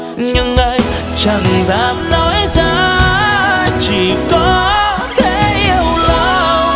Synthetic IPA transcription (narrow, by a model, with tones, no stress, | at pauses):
ɲɨ˧ŋʔə˧j | t͡ɕa˨˧˩ŋzaː˨˦m̚nɔ˨˦jzaː˧˦ | t͡ɕi˧˩kɔ˨˦ | t̪e˧˦ʔi˧əwla˧˨